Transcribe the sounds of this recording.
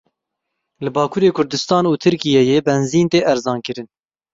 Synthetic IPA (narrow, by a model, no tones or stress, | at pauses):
lɨbɑːkʰuːɾeːkʰʊɾd̪ɨst̪ɑːnuːt̪ʰɨɾkijɛjeːbɛnziːnt̪eːʔɛɾzɑːnkɨɾɨn